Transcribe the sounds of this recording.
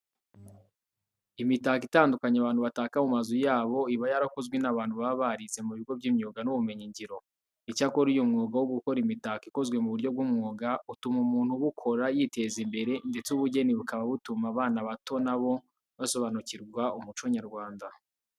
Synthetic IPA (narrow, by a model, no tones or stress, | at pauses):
imitakitaːndukaɲaβaːnhuβataːkamumazujaːβo̞iβajaɾako̞zɡwe̞naβaːnhuβaβaɾit͡se̞muβiɡo̞bɟimɲuːɡanuβume̞ɲiɲɟiɾo̞ | icako̞ɾijumŋoːɡawoɡuko̞ɾimitakiko̞zɡwe̞muβuɾɟo̞b̚ɡumŋoːɡautumumuːnhuβukʰo̞ɾajite̞zimbe̞ɾe̞nde̞t͡suβuɟe̞niβukaβaβutumaβaːnaβato̞naβo̞ | βaso̞βanuciɾɡwaumut͡ʃoɲaɾɡwaːnda